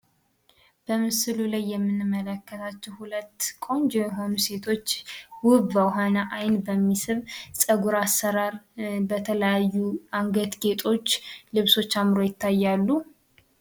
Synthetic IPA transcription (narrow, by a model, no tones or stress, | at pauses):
b̥əmɨsɨlulajːɛmːɨnːɨmːələkːət̪ʰat͡ʃːɛwhulət̪ːkʼo̞nd͡ʒɛmɛɦo̞nuse̞t̪ʰo̞t͡ʃːwʊbəwɦanaʔajnbəmːisɨβsʼəɡuɾasːəɾaɾbət̪ʰələjajːuʔaŋɡət̪ɡe̞t̪ʼo̞t͡ʃːlɨβso̞t͡ʃːamɾo̞jɪt̪ːajːalːu